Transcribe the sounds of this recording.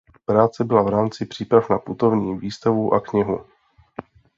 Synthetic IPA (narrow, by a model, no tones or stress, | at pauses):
pɾaːt͡sɛbɪlavɾaːmt͡sɪpr̥iːpɾafnaput̪o̞vɲiːviːst̪avuʔakɲɪɦu